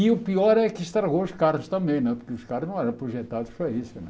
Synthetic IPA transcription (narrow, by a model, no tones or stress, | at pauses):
iupiɔɾɛkiʃt̪ɾɐɣouʃkaɾʁʊʃt̪ɐ̃mbẽj̃nɛpuɾkɪʊʃkaɾʁʊʒnɐ̃w̃ɛɾɐ̃pɾuʒɛt̪ad̪ʊʃpɾɐisʊnɛ̰̃